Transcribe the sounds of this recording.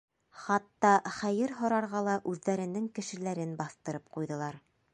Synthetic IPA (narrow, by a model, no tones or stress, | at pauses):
χɑt̪ːɑχæjɘɾɦŏɾɑɾʁɑlˠɑʔʉðːæɾɘ̆nɘŋkɘ̆ʃɘ̆læɾɘnbɑθt̪ɤ̆ɾɤp̚qujðɤ̆lˠɑɾ